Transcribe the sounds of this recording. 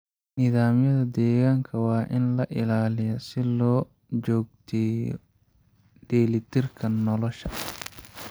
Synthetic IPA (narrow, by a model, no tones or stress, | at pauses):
nɪðaːmjɐðɐd̪ɛːɣaːŋkʰɐwɑːʔɪnlɐʔɪlaːlɪjɔsɪlɔː | t͡ʃɔːɡ̚t̪ʰɛj̰ | ɖɛːlɪt̪ʰɪrkʰɐnɔlɔʃɐ